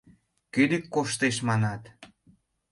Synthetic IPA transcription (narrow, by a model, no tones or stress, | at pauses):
kyd̪ikːoʃt̪eʃmɑnɑt̪